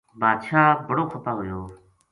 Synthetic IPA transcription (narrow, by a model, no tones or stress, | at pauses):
baːd̪ʃaːbəɽoːxəpaːɦʊjoː